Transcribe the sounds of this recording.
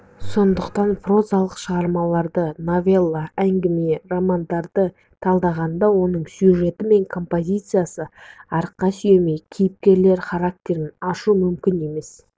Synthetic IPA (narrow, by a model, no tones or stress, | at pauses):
so̞nd̪əqt̪ɑnfro̞zɑlˠəqʃəʁɑɾmɑlˠɑɾd̪əno̞vʲe̞lˠːaæŋɡʲɪmijeromand̪ɑɾd̪ə | t̪ʰɑlˠd̪ɑʁɑnd̪ɑwo̞nəɴsjuʒe̞t̪ɪme̞ŋkʰo̞mpo̞zʲijt̪sɨjasəɑɾəqːɑsʏje̞me̞jkʲʰijɪp̚kʲe̞ɾle̞ɾχɑɾak̚t̪ʲe̞ɾɪnɑʃumʏmkʲɪne̞me̞s